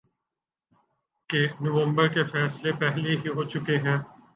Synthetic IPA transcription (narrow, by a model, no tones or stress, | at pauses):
kenʊʋə̃mbəɾkefɛːslepɛɦleɦiɦot͡ʃʊkeɦɛ̃ː